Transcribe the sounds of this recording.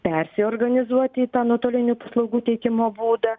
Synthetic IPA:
pʲɛɾʲsʲɪoːɾɡɐnʲɪzuɔt̪ʲiːt̪ɑːnoːt̪oːlʲɪnʲuːpɐslˠɐʊɡuːt̪ʲɛɪkʲɪmoːbuːd̪ɐ

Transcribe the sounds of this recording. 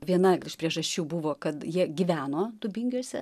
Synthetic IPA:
ʋʲiɛnɐɪʃpʲɾʲiɛʒɐʃʲt͡ʃʲuːbuʋoːkɐt̪jiɛɡʲiʋʲæːnoːd̪ʊbʲɪŋʲɡʲuɔsʲɛ̰

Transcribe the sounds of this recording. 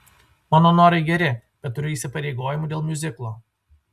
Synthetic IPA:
maːnoːnoːɾɐɪɡʲɛɾʲɪb̥ʲɛt̪t̪ːʊɾʲʊɪːsʲɪpɐɾʲɛɪɡoːjɪmuːd̪ʲeːlˠmʲjʊzʲɪklˠoː

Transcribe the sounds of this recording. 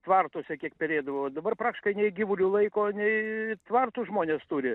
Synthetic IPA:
t̪ʋɑrt̪osʲɛkʲiɛkpʲɛɾʲeːd̪ɐʋoːd̪ɐbɐrpɾɑːkt̪ʲɪ̥ʃkɐɪnʲɛɪɡʲiːʋʊlʲulˠɐɪkoːnʲɛɪt̪ʋɐrt̪uːʒmoːnʲeːst̪ʊɾʲɪ

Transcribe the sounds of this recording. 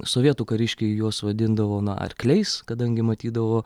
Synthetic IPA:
soːʋʲiɛt̪uːkɐɾʲɪʃʲkʲɛɪjuɔsʋɐd̪ʲɪnd̪ɐʋoːnɐɐ̰rkʲlʲɛɪskɐd̪ɐŋʲɡʲɪmɐt̪ʲiːd̪ɐʋoː

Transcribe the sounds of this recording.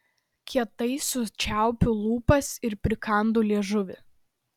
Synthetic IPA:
kʲiɛt̪ɐɪsʊt͡ʃʲæˑʊpʲʊlˠuːpɐsɪɾpʲɾʲɪkɐˑnd̪uːlʲiɛʒʊʋʲɪ

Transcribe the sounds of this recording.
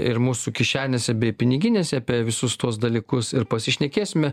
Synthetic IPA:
ɪɾmuːsukʲɪʃʲæːnʲesʲɛbʲɛɪpʲɪnʲɪɡʲɪnʲeːsʲɛɐpʲiɛʋʲɪsʊst̪uɔsd̪ɐlʲiːkʊsɪɾpɐsʲɪʃʲnʲɛkʲeːsʲɪmʲɛ

